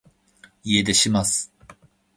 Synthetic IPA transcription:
ie̞d̪e̞ɕimasɨ̥

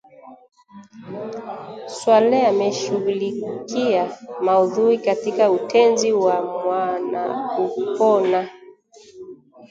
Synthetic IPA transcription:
swalajamɛʃuɣulikiamauðuɾikatikautʰɛnziwamwana̰kupɔna

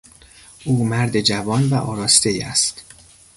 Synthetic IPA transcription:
ʔuːmæɾd̪e̞d͡ʒævɒːnvæʔɒ̰ːɾɒːst̪e̞jæ̰st̪

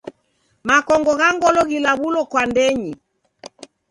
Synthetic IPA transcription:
makɔŋɡɔɣaŋɡɔlɔɣilaβulɔkwandɛɲi

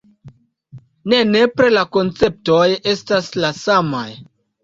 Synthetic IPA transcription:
ne̞ne̞pɾelako̞nt͡se̞p̚to̞je̞staslasama̰j

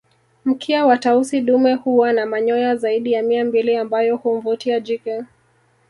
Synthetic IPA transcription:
m̩kʰiawatausiɗumɛhuwanamaɲɔjazaiɗijamiambiliambajɔhum̩vutiad͡ʒikɛ

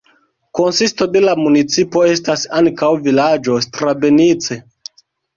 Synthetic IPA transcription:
ko̞nsisto̞de̞lamunit͡sipo̞e̞stasaŋkawvilad͡ʒo̞stɾabe̞nit͡se̞

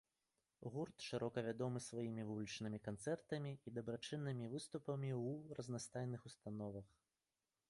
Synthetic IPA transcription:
ɣurt̪ʂɨɾɔkɐvʲad̪ɔmɨsvajimʲivulʲit͡ʂnɨmʲikant̪sɛrt̪ɐmʲiːd̪ɐbɾat͡ʂɨnːɨmʲivɨst̪upɐmʲiwurɐznast̪ajnɨxust̪anɔvɐx

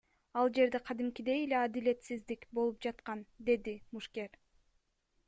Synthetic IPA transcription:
ɑlˠd͡ʒe̞ɾd̪e̞qʰɑd̪imkid̪e̞jele̞ɑd̪ile̞t̪sizd̪ikbo̞lˠup̚d͡ʒɑt̪qɑnd̪e̞d̪imuʃke̞ɾ

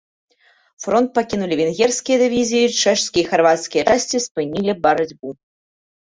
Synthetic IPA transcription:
fɾɔnt̪̚pakʲinulʲivʲinɣʲɛrskʲijɐd̪ɨvʲizʲijit͡ʂɛʂsʲkʲijixarvat̪skʲijɐt͡ʂasʲt͡sʲispɨnʲilʲibɐɾad͡zʲbu

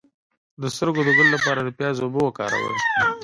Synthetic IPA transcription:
d̪əst̪əɾɡod̪əɡəllapɑɾad̪əpjɑzobəwakɑ̰ɾa̰wə̰ɾ

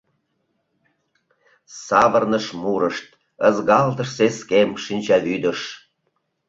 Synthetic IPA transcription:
sɑβərnəʃmuɾəʃt̪̚ | əzɣɑlt̪əʃseskemʃinʲt͡ɕɑβyd̪ə̆ʃ

